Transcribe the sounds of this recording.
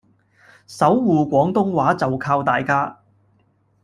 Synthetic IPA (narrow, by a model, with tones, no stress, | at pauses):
sɐ˨˥wːuː˨kʷɔː˨˥ŋt̪ʊ˥ŋwaː˨˥t͡sɐ˨wkʰaː˧wt̪aː˨jkaː˥